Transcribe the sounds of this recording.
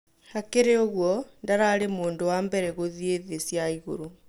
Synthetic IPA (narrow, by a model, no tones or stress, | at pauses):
hakeɾeoɣwɔndaɾaɾemoːndowaːmbɛɾɛɣoðieðesjaiɣo̰ɾo